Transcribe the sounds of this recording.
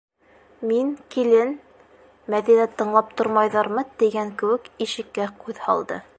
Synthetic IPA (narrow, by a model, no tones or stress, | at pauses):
miŋkilɘn | mæðinæt̪ɤ̆ɴlˠɑp̚t̪ŏɾmɑjðɑɾmɤt̪iɡæŋkɘ̆wɘ̆kiʃɘ̆kːæqʉðhɑ̰lˠd̪ɤ̰